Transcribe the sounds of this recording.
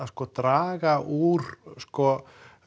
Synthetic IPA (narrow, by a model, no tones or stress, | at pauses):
askɔːt̪ɾaːɣaʔuɾskɔ